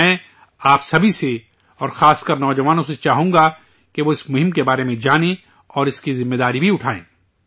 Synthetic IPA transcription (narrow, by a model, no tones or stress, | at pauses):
ɛ̃ | aːpsɐbʱise | ɔːɾxaːskɐɾnɔːd͡ʒɐʋaːnõset͡ʃaːɦũːŋɡa | keʋoɪsmʊɦɪ̃mkebaːɾemẽd͡ʒaːnẽ | ɔːɾɪskizɪmːeːd̪aːɾibʱiʊʈʰaːḛ̃ː